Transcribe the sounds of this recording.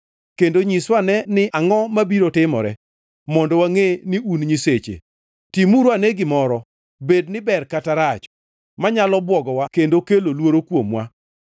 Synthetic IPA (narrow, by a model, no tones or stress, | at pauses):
kendoɲiswanɛnɪʔaŋɔmabiɾotɪmɔ̰ɾɛ̰ | mɔndowaŋenɪunɲiset͡ʃḛ | timuɾoanɛɡɪmɔɾɔ | bednɪbɛrkataɾat͡ʃ | maɲalɔbwɔɡɔwakendokelolwoɾokwomwa̰